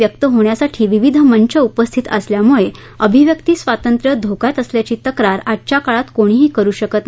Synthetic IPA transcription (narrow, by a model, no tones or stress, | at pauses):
jəkt̪əɦoɳjasaʈʰiːʋiʋid̪ʱəmənt͡ɕəupəst̪ʰit̪ə̰sljamuɭe | əbʱiʋjək̚t̪iːsʋat̪ənt̪ɾəd̪ʱokajt̪əsljat͡ɕiːt̪əkɾaɾat̚t͡ɕakaɭat̪koɽ̃iːɦiːkəɾuːɕəkət̪